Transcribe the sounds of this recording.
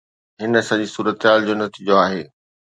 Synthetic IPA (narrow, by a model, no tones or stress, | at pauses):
ɦɪnsɐ̃ʄisuːɾət̪ɪɦaːld͡ʑoːnɐt̪iːd͡ʑoaːɦeː